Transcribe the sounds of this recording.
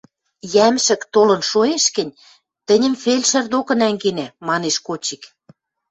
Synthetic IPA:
jæmʃɘ̆kt̪olɤ̆nʃoeʃkɘ̆nʲ | t̪ə̆nʲə̆mfelʲʃə̆rd̪okɤ̆næŋɡenæmɑneʃkot͡ɕik

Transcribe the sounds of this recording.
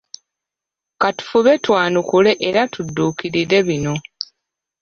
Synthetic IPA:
katu̥fuβe̞twaːnukule̞ʔeɾatudːuːkiɾiɾe̞βino̞

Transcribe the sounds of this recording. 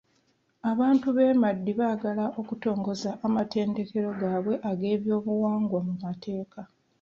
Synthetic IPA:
aβaːntuβe̞ːmadːiβaːɡalaʔo̞kuto̞ːŋɡo̞zaʔːmatʰe̞ːnde̞ke̞ɾo̞ɡaːβwe̞ʔaɡe̞ːβjo̞ːβuwaːŋɡwamumatʰe̞ːka

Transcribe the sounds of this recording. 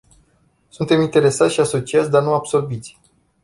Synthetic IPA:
sunt̪e̞mint̪e̞ɾe̞sat̪ʲʃiaso̞t͡ʃiat̪sʲd̪arnuabso̞rbit̪sʲ

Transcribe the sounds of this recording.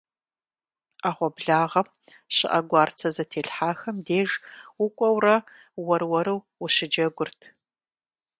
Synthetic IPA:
aːʁʷɔbɮaːʁɐm | ɕɪ̰ʔɐɡʷɑːrt͡sʰɐzɐtʰeːɬħaːxɐmdeːʒʊkʷʼɔwrɐ | wɐrwɐɾɨw | ʊɕɪd͡ʒɐɡʷʊrtʰ

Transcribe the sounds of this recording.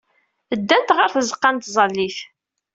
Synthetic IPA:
əd̪ːænt̪ʁəɾθəzəqːɑnt̪zˤɑlːiθ

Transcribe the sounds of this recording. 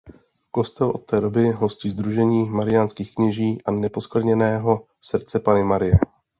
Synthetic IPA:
ko̞st̪ɛlʔo̞t̪ːɛːdo̞bɪɦo̞scizd̪ɾuʒɛɲiːmaɾɪjanskiːxkɲɛʒiːʔanɛpo̞skɾɲɛnɛːɦo̞ | sr̩t͡sɛpanɪmaɾɪjɛ

